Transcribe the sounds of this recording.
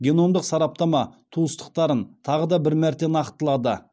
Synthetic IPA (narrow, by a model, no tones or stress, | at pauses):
ɡʲe̞no̞md̪əqsɑɾɑp̚t̪ɑmɑt̪ʰuəst̪ə̥q̚t̪ɑɾənt̪ʰɑʁəd̪ɑbɪɾmæɾt̪e̞nɑqt̪əlˠɑd̪ə̰